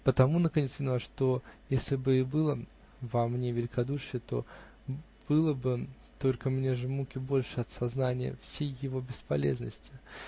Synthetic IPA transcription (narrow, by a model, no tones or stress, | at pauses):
pət̪ɐmunəkɐnʲesvʲɪnaʂt̪o̞jesʲlʲɪbɨɪbɨlˠə | vɐmnʲevʲɪlʲɪkɐd̪uʂɨjət̪o̞̰ | b̥ɨlˠəbɨ | t̪o̞lʲkəmnʲe̞ʐɨmukʲɪbolʲʂɨɐt̪sɐznanʲɪjə̰fsʲejːɪvo̞bʲɪspɐlʲḛznəsʲtʲɪ̥